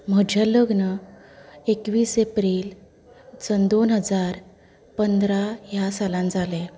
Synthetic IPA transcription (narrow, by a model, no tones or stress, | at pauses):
m̤əd͡ʑʱələɡnə | ekʋiːsepɾiːl | t͡sənd̪onɦəd͡zaɾ | pənd̪ɾajasalãnd͡zale